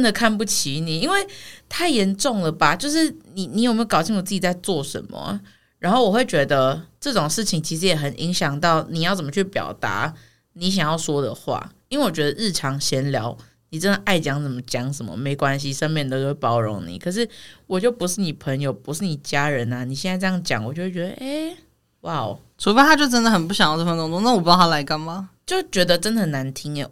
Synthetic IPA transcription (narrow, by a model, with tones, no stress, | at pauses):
nd̪ə˨˩kʰa˥˧npu˥˩t͡ɕʰi˧˥ni˨˩i˥nwe˥˩ɪt̪ʰa˥˩ɪjɛ˧˦˥nʈ͡ʂʊ˥˩ŋd̪ə˩ba˨t͡ɕjo˥˧ʊʂ̬ɻ̩˥˩ni˨˩ni˧˥jo˨˩me˥o˧˩kɑ˨˩ʊɕi˥˩ŋwɔ˨˩t͡sɨ˥˩t͡ɕi˨˩t͡sa˥˧ɪt͡swɔ˥˨ʂə̰˧˦nmə̰˨ | ɻa˧˥nxo˥˩ʊwɔ˨˩we˥˩ɪt͡ɕɥɛ˧˥d̪ə˧ʈ͡ʂɤ˥˩ʈ͡ʂo˨˩ŋʂɻ̩˥˩t͡ɕʰi˨ŋt͡ɕʰi˧˥ʂ̬̩˧˥˦jɛ˨˩xə˨˩nʔḭ˧˥ŋɕjɑ˨˩ŋt̪ɑ˥˩ʊni˨˩jɑ˥˩t͡sə˨˩mə˧t͡ɕʰy˥˩pjɑ̰˨˩ʊt̪a̰˧˥˦ | ni˧˥ɕ̬jɑ˨˩ŋjɑ˥˩ʊʂwɔ˥d̪ə̰˨xwa̰˥˩i˥nwe˥˩wɔ˨˩t͡ɕɥɛ˧˥d̪ə˨ɻɻ̩˥˩ʈ͡ʂʰɑ˧˦˥ŋɕjɛ˧˥nljɑ˧˦ʊ | ni˨˩ʈ͡ʂə˦nd̪ə˨ʔa˥˩ɪt͡ɕjɑ˥ŋt͡sə˨˩nmə˦t͡ɕjɑ˥ŋʂə˧˦nmə̰˦me˧˥ɪkwa˦˥nɕi˨ʂə˥nmjɛ˥˩nt̪o˥ʊt͡ɕo˥wpɑ˨˥ʊɻo˧˥ŋnḭ˨˩˦kʰɤ˨˩ʂ̬ɻ̩˥˩wɔ˨˩t͡ɕjo˥˩ʊpu˧˥ʂɻ̩˥˩ni˨˩pʰə˧˥ŋjo˨˩ʊpu˧˦˥ʂɻ̩˥˩ni˨˩t͡ɕja˥ɻə˧˦na˧ni˨˩ɕjɛ˥˧na˥˧ʈ͡ʂjɑ˥˩ŋt͡ɕjɑ̰˨˩ŋwɔ˨˩t͡ɕjo˥˩ʊ˥˩t͡ɕɥɛ˧˥d̪ə̰˧ʔe˥˩ɪ | wa˥˩ʊ | t͡sʰu˧˥fe˥t̪ʰa˥t͡ɕjo˥˩ʊʈ͡ʂə˥nd̪ə˨xə˨˩npu˥˩ɕjɑ˨ŋjʈ͡ʂfə˧˥nt̪o˧˥ŋo˥˦na˥˩wɔ˨˩pu˥jɑ˥˩a˥la˧˥ɪka˥˩nma˨t͡ɕjo˥˩ʊt͡ɕɥɛ˧˥d̪ə˨ʈ͡ʂə˥nd̪ə˩na˧˥nt̪ʰi˥ŋə˨